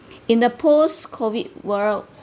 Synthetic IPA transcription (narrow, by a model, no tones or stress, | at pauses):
ĩndəpʰoskʰɔwit̚wəɹ